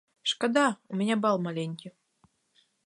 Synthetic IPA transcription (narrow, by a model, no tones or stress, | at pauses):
ʂkad̪aumʲɪnʲabɑlˠmalʲenʲkʲi